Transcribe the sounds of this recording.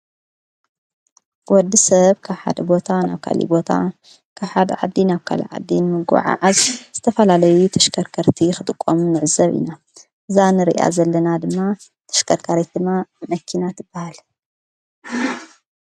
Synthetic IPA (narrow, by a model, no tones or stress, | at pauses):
wɔd̪ːisɐβkʰaβħa̰d̪ɐbo̞t̪ʰana̰βkʰa̰lḭbo̞t̪ʰa̰ | kʰaβħad̪ɐʕa̰d̪ːinaβkʰa̰lḭʕa̰d̪ːinɨmɨɡṵʕa̰ʕazz̥ɨt̪ʰɐfɐlalɐjut̪ʰɐʃkʰɐɾkʰɐɾt̪ʰixɨt̪ʼɨkʼːomunɨʕɨzɐβḭna | ʔɨzanɨɾḭʔa̰zɐlːɐnad̪ɨmːa | t̪ʰɐ̥ʃkʰɐɾkʰaɾet̪̚d̪ɨmːamɐkʰːinat̪ʰɨbːahal